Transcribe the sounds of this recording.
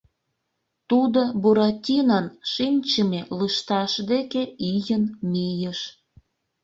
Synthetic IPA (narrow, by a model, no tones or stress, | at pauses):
t̪ud̪obuɾɑtʲinɑnʃinʲt͡ɕəmeləʃt̪ɑʃd̪ekeijənmijəʃ